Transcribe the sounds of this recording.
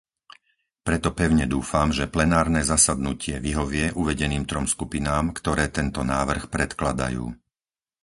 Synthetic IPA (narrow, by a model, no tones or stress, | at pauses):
pɾɛt̪ɔpɛʊɲɛd̪uːfamʒɛplɛnaːɾnɛːzasad̪nucɪɛʋiɦɔʋɪɛʔuʋɛɟɛniːmt̪ɾɔmskupinaːmkt̪ɔɾɛːt̪ɛnt̪ɔnaːʋr̩xpɾɛt̪klad̪a̰jṵː